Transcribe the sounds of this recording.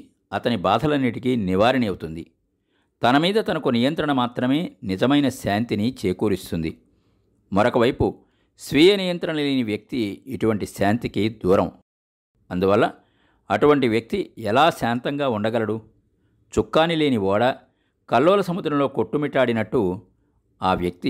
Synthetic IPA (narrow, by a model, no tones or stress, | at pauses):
ɐt̪ɐnibaːd̪ʱɐlɐnːiʈikiniʋaːɾiniɐwut̪und̪i | t̪ɐnɐmiːd̪ɐt̪ɐnɐkunijɐnt̪ɾɐɳɐmaːt̪ɾɐme̞ːnid͡ʒɐmɐjnɐsaːnt̪init͡ʃeːkuːɾist̪und̪i | mɐɾokɐʋɐjpu | sʋiːjɐnijɐnt̪ɾɐnleːniʋjɐk̚t̪iːʈuʋɐɳʈisaːnt̪ikid̪uːɾɐm | ɐnd̪uʋɐlːɐ | ɐʈuʋɐɳʈiʋjɐk̚t̪iɛlaːsaːnt̪ɐŋɡaːuɳɖɐɡɐlɐɽu | t͡ʃukːaːnile̞ːniʋɔːɽɐ | kɐlːɔːlɐsɐmud̪ɾɐmlo̞ːkoʈːumiʈːaːɽinɐʈːu | aːʋjɐk̚t̪i